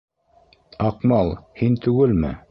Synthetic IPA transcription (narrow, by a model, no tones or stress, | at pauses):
ɑqmɑlˠhint̪ʉɡɘlmɘ̰